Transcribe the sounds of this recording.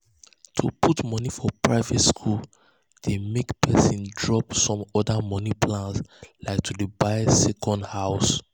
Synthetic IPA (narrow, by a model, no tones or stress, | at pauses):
tʰṵpʰutmɔnifɔpɹaɪvɛtskʰul | d̥emekpʰɛsĩndɹɔpsɔ̃mɔdamɔnipʰlãnslaɪk̚tʰudebaɪsɛkʰɔ̃ndhaʊs